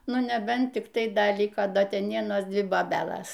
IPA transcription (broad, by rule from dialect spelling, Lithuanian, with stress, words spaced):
ˈnʊ nʲɛˈbʲɛnt ˈtʲɪk tɐɪ ˈdɐ ˈlʲɪkoː ˈdɐ ˈtʲɛn ˈʋʲiɛnoːs ˈdʲʋʲɪ boːˈbʲæːlˠɐs